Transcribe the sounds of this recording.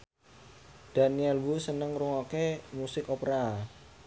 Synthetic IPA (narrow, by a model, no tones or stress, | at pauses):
d̥a̤niɛlwusənəŋɾuŋokemusɪkopɾa